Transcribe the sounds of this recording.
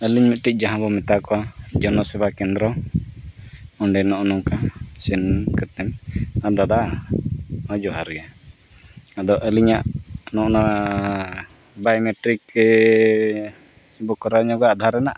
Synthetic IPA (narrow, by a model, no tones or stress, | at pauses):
əliɲmit̪̚ʈic̚ˀd͡ʒaɦãbɔmɛt̪akɔad͡ʒɔnɔsɛbakɛnd̪ɾɔ | ɔɳɖɛnɔʔnɔŋkasɛnkɛt̪ɛmad̪ad̪a | ɔd͡ʒɔɦaɾɡɛa | ad̪ɔʔəliɲaʔnɔʔna | bajmɛʈɾik | bɔkɔɾaɲɔɡaad̪ʱaɾɛnaʔ